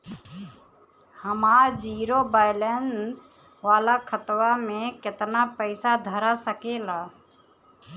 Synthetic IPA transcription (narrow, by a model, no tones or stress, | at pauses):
həmaːɾd͡ʒiːɾobaːjɪlens | ʋaːlakʰət̪wamẽkɪt̪napəɪsad̪ʱəɾasəkeːlaː